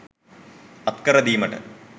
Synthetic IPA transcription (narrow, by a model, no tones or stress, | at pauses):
ɐt̪kɐɾɐd̪iːmɐʈɨ̰